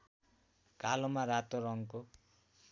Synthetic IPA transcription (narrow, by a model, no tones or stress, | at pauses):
kalomaɾat̪oɾʌŋko